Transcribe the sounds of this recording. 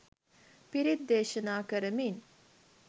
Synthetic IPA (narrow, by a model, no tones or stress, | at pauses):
piɾid̪ːeːʃənaːkəɾəmin